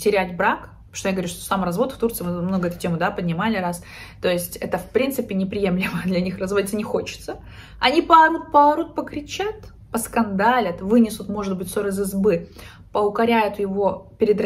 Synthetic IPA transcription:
tʲɪɾʲætʲbɾak | ʂt̪ojaɡəvɾʲuʂt̪osamrɐzvo̞t̪ft̪urt̪sɨɪmɨmno̞ɡəɛt̪ʊ̥tʲe̞mʊd̪apədʲnʲɪmalʲɪɾas | t̪o̞jɪsʲtʲɛt̪əfpɾʲint̪sɨpʲɪnʲɪpɾʲɪje̞mlʲɪməd̪lʲɐnʲixrɐzvodʲɪt̪ːənʲɪxo̞t͡ɕɪ̥t̪sə | ɐ̰nʲipɐɾut̪̚pɐɾut̪̚pəkɾʲɪt͡ɕat̪ | pəskɐnd̪alʲət̪vɨnʲɪsʊt̪mo̞ʐɨd̪̚bɨtʲsoɾɨzɨzbɨ | pəʊkɐɾʲæjʊt̪jɪvo̞pʲɪɾʲɪd̪ɾ

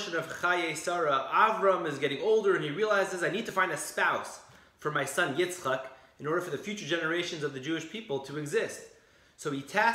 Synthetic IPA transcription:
ʃɨ̃nʌv̥χaɪeɪsɑɹəʔævɹə̃mɨzɡɛɾɪ̃ŋoʊlˠdə˞ɨ̃niɹilˠaɪzɨzaɪnid̚tʰɨfãɪ̃ndɨspaʊs | fə˞maɪsʌ̃njɪsχɑk | ɨ̃nɔɹɾə˞fə˞ðɨfjʉt͡ʃə˞d͡ʒɛnə˞eɪʃɨ̃nzʌvðɨd͡ʒʉɨʃpʰipl̩ˠtʰəɨɡzɪst | soʊitʰæ

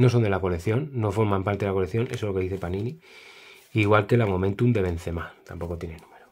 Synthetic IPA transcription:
no̞so̞nd̪e̞lako̞leθjo̞nːo̞fo̞ɾmãmpaɾt̪elakoleθjo̞nʔesolo̞keðiθepanĩni | iɣwalke̞lamo̞mẽ̞nt̪umd̪e̞βẽ̞n̟θe̞mat̪ampo̞ko̞t̪je̞nenumeɾo

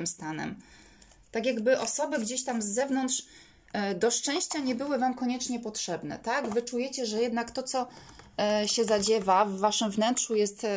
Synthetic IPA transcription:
mst̪anɛ̰m | t̪akʲjaɡbɘʔɔsɔbɘɡd͡ʑeɕt̪amzːɛvnɔnt̪ʂ | d̪ɔʂt͡ʂɛ̃w̃ɕt͡ɕaɲɛbɘwɘvamkɔɲɛt͡ʂɲɛpɔtʂɛbn̪ɛ̰t̪aɡvɘt͡ʂujɛt͡ɕɛʐɛjɛd̪nakt̪ɔt̪sɔ | ɕɛzad͡ʑɛvavːaʂɘmvnɛntʂujɛst̪

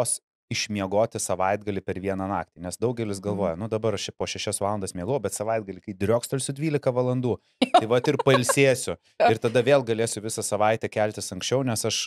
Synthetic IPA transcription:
s | ɪʃʲmʲiɛɡoːt̪ʲɪsɐʋɐɪd̪ɡɐlʲɪpʲɛɾʋʲiɛnɐnɑːk̚t̪ʲiːnʲɛsd̪ɐʊɡʲɛlʲɪsɡɐlˠʋoːjɛnʊd̪ɐbɐɾɐt͡ʃʲɛpoːʃʲɛʃʲɛsʋɑːlˠɐnd̪smʲiɛɡoːʊbʲɛt̪sɐʋɐɪd̪ɡɐlʲɪkɐɪd̪ʲɾʲoːkst̪ɐlʲsʲʊdʲʋʲiːlʲɪkɐʋɐlˠɐnd̪uː | tɐɪʋɐt̪ɪrpɐɪlʲsʲeːsʲʊ | ɪrt̪ɐd̪ɐʋʲeːlˠɡɐlʲeːsʲʊʋʲɪsɐsɐʋɐɪt̪ʲɛkʲælʲt̪ʲɪsɐŋksʲt͡ʃʲɛʊnʲɛsɐʃ

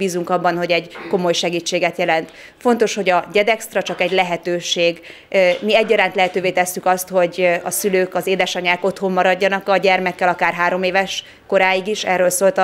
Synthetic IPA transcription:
biːzuŋkɒbːɒnɦo̞ɟɛɟko̞mo̞jʃɛɡiːt͡ʃːeːɡɛt̪jɛlɛnt̪ | fo̞nt̪o̞ʃho̞ɟɒɟɛd̪ɛkst̪rɒt͡ʃɒkɛɟlɛɦɛt̪øːʃeːɡ | miɛɟːɒɾaːnt̪lɛɦɛt̪øːveːt̪ɛsːykɒst̪ho̞ɟɒsyløːkɒzeːd̪ɛʃɒɲaːko̞t̪ho̞mːɒɾɒɟːɒnɒkɒɟɛrmɛkːɛlɒkaːrɦaːɾo̞meːvɛʃ | ko̞ɾaːjiɡiʃɛ̰ːrːøːlsoːlt̪ɒ

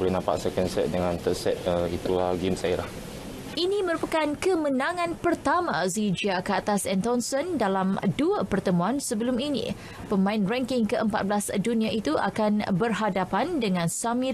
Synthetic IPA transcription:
bəɾinãmpa̰ʔsɛkənsɛt̪̚dəŋãnt̪əsɛt̪̚əit̪ulahɡimsailah | ʔinimə̃ɾupakankəmənãŋãnpərt̪amãzid͡ʒiakəat̪asɛnt̪ɔnsəndalamduapərt̪əmũansəbəluminḭ̃ | pəmãinrɛŋkɪŋkəʔəmpa̰t̪̚bəlasdunĩaʔit̪uʔa̰kanbərɦadapandəŋãnsamĩ

